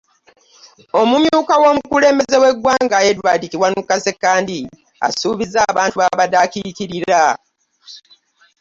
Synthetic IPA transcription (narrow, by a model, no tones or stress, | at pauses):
o̞mumjuːkawo̞ːmukule̞ːmbe̞ze̞we̞ɡwaːŋɡajedwadikiwanukːase̞kːaːndi | a̰suːβizaːβaːntuβaβadakikiɾiɾa